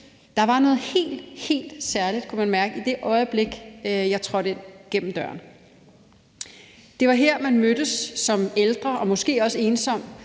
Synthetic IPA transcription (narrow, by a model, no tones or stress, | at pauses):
d̥ɑ̈ʋɑ̈nɔ̽ːð̩ˠhe̝̰ːld̥he̝̰ːld̥sæɐlid̥̚kʰumænmæɐɡ̥əid̥e̝ʔɒ̽ɪb̥le̝ɡ̥jɑ̈ɪt͡sʰʁɒ̽d̥eɡ̥en̰m̩d̥ɶɐ̰n | d̥e̝ʋɑ̈ɦeɐ̰mænmød̥əsːɒ̽meld̥ʁɐʔɒ̽mɔ̽sɡ̥e̝̰ːɒ̽səe̝ːnsɒ̽m̰̥